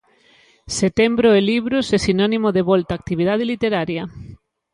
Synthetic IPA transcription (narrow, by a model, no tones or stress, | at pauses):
set̪embɾoeliβɾʊsesinɔnimoðeβɔlt̪aːk̚t̪iβið̞að̞elit̪eɾaɾjɐ